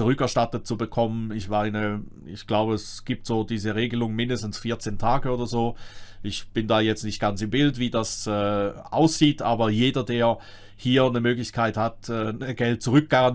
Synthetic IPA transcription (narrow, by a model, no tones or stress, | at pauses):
uʁʏkɛɐʃtatət̚t͡subəkʰɔmənɪçmaɪnə | ɪ̰çɡ̥laʊbəɛsɡ̥iːp̚tz̥oːdiːzəʁeːɡəlʊŋmɪndəstn̩sfiːɐt͡seːntʰaːɡəoːdɐzoːʔɪçb̥ɪndaːjɛt͡stnɪçtɡ̥ansɪmbɪltv̥iːdasɛːʔa̰ʊsz̥iːtʔaːbɐjeːdɐdeːɐ | hiːɐnəmøːɡlɪçkʰaɪthatɛːɡ̥ɛlt̚t͡suʁʏk̚ɡ̥aʁan